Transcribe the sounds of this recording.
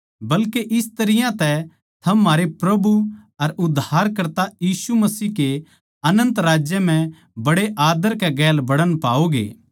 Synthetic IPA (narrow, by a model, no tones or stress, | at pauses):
bɐlkeʔɪst̪ɐɾɪjãt̪ɛ | t̪ʰɐmːaːɾepɾɐbuɐɾʊd̪ʱaːɾkɐɾt̪ajiːsumɐsiːke | ɐnə̃nt̪ɾaːd͡ʒjəm̤ɛ̃ | bɐɽeʔaːd̪əɾkɛɡɛːlbɐɽənpaːoɡḛː